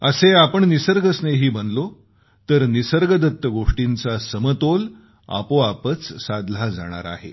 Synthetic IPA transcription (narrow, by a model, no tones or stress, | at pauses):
əseapəɳnisəɾɡəsneɦiːbənlo | t̪əɾnisəɾɡəd̪ət̪ːəɡoʂʈint͡sasəmət̪ol | a̰poapət͡ssad̪l̤ad͡za̰ɽ̃a̰ɾa̰ɦḛ